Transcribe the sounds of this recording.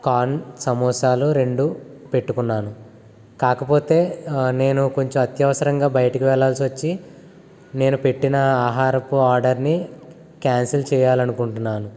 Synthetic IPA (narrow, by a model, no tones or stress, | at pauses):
kaːnsɐmɔːsaːluɾe̞ɳɖupe̞ʈːukunːaːnu | kaːkɐpo̞ːt̪e̞ːne̞ːnuko̞ɲt͡ʃɐmɐt̪jɐʋɐsɐɾɐŋɡaːbɐjɐʈɐkiʋɛɭːaːlsiʋɐt͡ʃːi | ne̞ːnupe̞ʈːinɐaːɦaːɾɐpuaːɾɖɐɾni | kaːnsɐlt͡ʃɛːjaːlɐnukuɳʈunːaːnu